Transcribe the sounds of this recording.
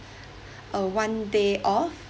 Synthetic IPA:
ʔəwãndeʔɔf

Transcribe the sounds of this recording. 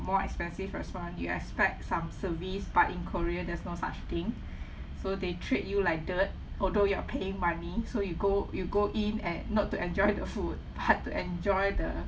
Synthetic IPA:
mɔɛ̰kspɛ̃nsifɹɛ̰spɔ̃njṵɛ̰kspɛk̚tsãmsəvisb̥atĩnkʰɔɹiədɛsnosa̰t͡ʃt̪ĩŋ | sodetʰɹet̚julaɪk̚dət̚ | ʔɔldojuapʰeɪ̃ŋmãnisojuɡojuɡoʔĩnɛ̰̃nːɔtːuʔɛ̃nd͡ʒɔjdəfud̚b̥atːuɛ̃nd͡ʒɔjdə

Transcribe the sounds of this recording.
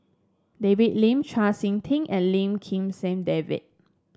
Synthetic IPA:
deviʔ̚lĩmt͡ʃʰasĩŋt̪ʰĩŋɛ̃nlĩmkʰĩmsɛ̃mdevḭt̚

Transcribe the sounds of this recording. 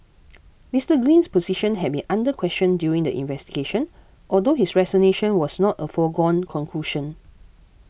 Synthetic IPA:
mistəɡɹĩnspɔziʃə̃nɦɛd̚bĩnʔãndəkʰwɛst͡ʃə̃ndjuɹĩŋdəʔḭ̃nvɛstiɡeʃə̃n | ʔɔldohisɹɛzɔneʃə̃nwɔsnɔtəfɔɡɔ̃nkʰɔ̃nkʰluʃə̃n

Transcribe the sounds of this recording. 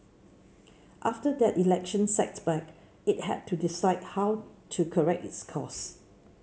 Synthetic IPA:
ʔaftədɛtilɛkʃə̃nsɛ̰k̚sbɛk | it̚hɛ̰d̚tʰudisaɪd̚hawtʰukʰəɹɛk̚tɪ̰tskʰɔ̰s

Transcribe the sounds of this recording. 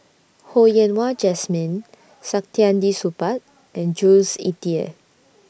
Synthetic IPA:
hojɛ̃nwad͡ʒɛsmĩn | sak̚tiãndisupat̚ | ɛ̃nd͡ʒulsḭtiə̰

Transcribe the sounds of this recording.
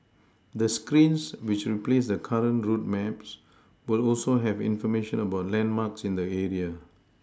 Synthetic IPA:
d̪əskɹĩnswit͡ʃɹiplesdəkʰaɹə̃nɹut̚mɛps | wɪlɔlsoɦɛvɪ̰̃nfɔmeʃə̃nəbaʊtlɛ̃nmaksĩndəɛɹiə

